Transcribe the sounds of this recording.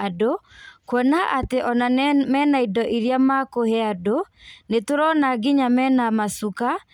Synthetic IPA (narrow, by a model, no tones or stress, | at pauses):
adokwɔnaʔateʔɔnamɛnaidɔʔiɾjamakohɛado | netoɾɔnaɡɪɲamɛnamasuka